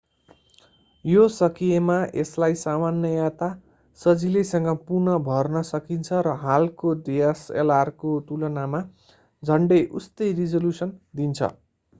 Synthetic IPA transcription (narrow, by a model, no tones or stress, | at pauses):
josʌkijemaʔeslajsamanːjʌjat̪a | sʌd͡zilesʌŋɡʌpurnʌbʱʌrnʌsʌkint͡sʰʌɾʌɦalkod̪ejʌsḛlarkot̪ulʌnama | d͡zʱʌɳɖʌjʔust̪ʌjrid͡zoljusʌnd̪int͡sʰʌ̰